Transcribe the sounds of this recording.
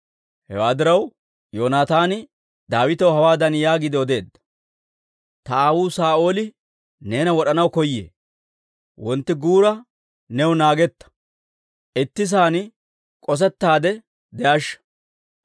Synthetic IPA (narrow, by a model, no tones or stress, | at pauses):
hɛ̰waːd̪ɪɾɐw | joːnaːt̪aːnɪ | d̪aːwɪt̪ɐwɦɐwaːd̪ɐnjaːɡɪd̪ɪɔd̪e̞ːd̪ːɐ̥ | t̪ɐaːwuːsaːʔo̞ːlɪ | ne̞ːnɐwɔɗɐnɐwkɔjːḛː | wɔnt̪ːɪɡuːɾɐ | nɛwʊnaːɡɛt̪ːɐ̥ | ʔɪt̪ːɪs̬aːn | kʼɔs̬ɛt̪ːaːd̪ɛ | d̪ɛʔɐʃːɐ̥